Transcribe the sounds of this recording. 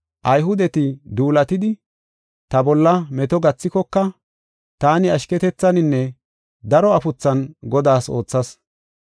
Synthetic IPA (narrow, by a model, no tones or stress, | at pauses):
ʔɐjɦʊd̪ɛt̪ɪd̪uːlɐt̪ɪd̪ɪ | t̪ɐbɔlːɐmɛt̪ɔɡɐt͡sːɪkɔkːɐ | t̪aːnɪɐʃkɛt̪ɛt͡sːɐnɪnːɛ | d̪ɐɾɔɐfʊt͡sːɐnɡɔd̪aːso̞ːt͡sːɐs